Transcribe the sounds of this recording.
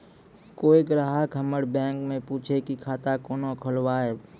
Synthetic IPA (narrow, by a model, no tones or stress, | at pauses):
koːiɡɾaːɦakəməɽbɛ̃ːŋkmẽpuːt͡ʃʰekikʰaːt̪akoːnokʰʊlwaːɛː